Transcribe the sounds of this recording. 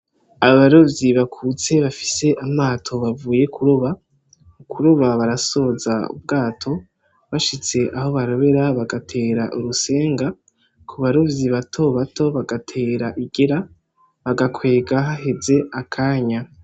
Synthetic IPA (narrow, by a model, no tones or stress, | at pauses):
aβaβaɾo̞vjiβakʰut͡se̞βafi̥se̞ʔamaːtʰo̞βavuːje̞kʰuɾuβa | ukʰuɾuβaβaɾaso̞zaṵb̚ɡaːtʰo̞ | βaʃit͡se̞ʔaho̞βaɾo̞βe̞ɾaβaɡatʰe̞ːɾaʔuɾuse̞ːŋɡa | kʰuβaɾo̞vjiβatʰo̞βatʰo̞βaɡatʰe̞ːɾaʔiɡeɾa | βaɡakʰwe̞ːɡaɦaɦe̞ze̞akʰaːɲa